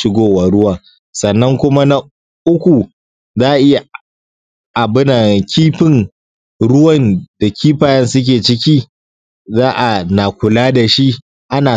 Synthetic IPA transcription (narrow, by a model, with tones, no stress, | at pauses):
ʃɪ˦ɡʷoː˦wa˨ɽʊ˦waː˨ | sɐ˨nːɐ˦ŋkʷʊ˦ma˦na˦ | ʔʊ˦kʷu˨ | zaː˦ʔa˨ʔɪ˦ja˨ | ʔa˨bɪ˦na˨kʲʰiː˦ɸɪ˦ŋ | ɽʊ˦wɐ˦˨nd̥a˨kʲiː˦ɸaː˨jɐ˦nsʊ˦k̬ʲeː˨t͡ʃɪ˦kʲiː˦ | zaː˦ʔa˨na˨kʷʊ˨laː˦da˨ʃi˦ | ʔa˦naː˨